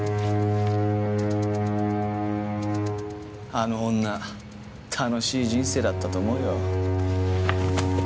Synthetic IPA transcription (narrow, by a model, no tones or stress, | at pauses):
anoɦõnːa | t̪ʰano̞ɕiːʑĩɰ̃se̞ːd̪at̪ːat̪oːmo̞ɯjo̰